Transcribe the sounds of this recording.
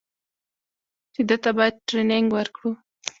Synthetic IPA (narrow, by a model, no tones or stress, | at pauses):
t͡ʃed̪ət̪abɑjad̪̚ʈɾenɪŋɡwəɾkɽu